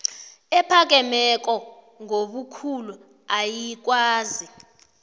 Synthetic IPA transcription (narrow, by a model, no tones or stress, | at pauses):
ɛpʰak̬ɛmɛk̬ʼɔ | ŋoɓukʰulu | ajik̬waːzi